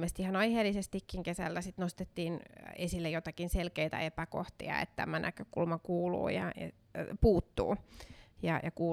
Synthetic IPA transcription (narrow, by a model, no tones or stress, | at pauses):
mest̪ihɑnɑiheːlːisest̪ikːiŋkesæ̰lːæsit̪nost̪et̪ːiːnesilːejot̪ɑkinselkeit̪æ̰epæko̰ht̪ḭɑ̰ḛt̪t̪æ̰mænʔækøkulmɑkuːlṵːjɑ̰jɑ̰ | puːt̪ːṵːjɑjɑkuː